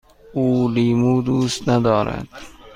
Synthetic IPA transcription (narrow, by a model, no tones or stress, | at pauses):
uːliːmuːd̪uːst̪nad̪ɒːɾa̰d̪̥